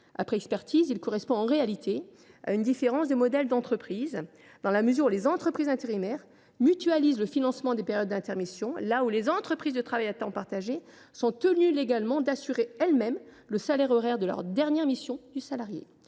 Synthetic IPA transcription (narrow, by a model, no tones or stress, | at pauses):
a̰pχɛɛkspɛʁt̪ʰizilkɔʁɛspɔ̃ɑ̃ʁealit̪ʰe | a̰ynd̪ifeʁɑ̃sd̪emɔd̪ɛld̪ɑ̃t̪χəpχiz | d̪̥ɑ̃laməzyʁulezɑ̃t̪χəpχizɛ̃t̪eʁimɛʁ | myt̪yalizləfinɑ̃smɑ̃d̪epeʁjɔd̪̚ːɛ̃t̪ɛʁmisjɔ̃laulezɑ̃t̪χəpχizd̪ət̪χavajat̪ɑ̃paʁt̪aʒe | sɔ̃t̪ənyleɡalmɑ̃d̪asyʁeɛlmɛm | ləsalɛʁɔʁɛʁd̪əlœ̰ʁd̪ɛʁnjɛʁmisjɔ̃d̪ysalaʁjḛ